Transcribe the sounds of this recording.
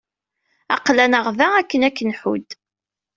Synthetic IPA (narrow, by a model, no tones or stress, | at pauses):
ɑ̰qlænəʁvæækːənækːənħṵd̪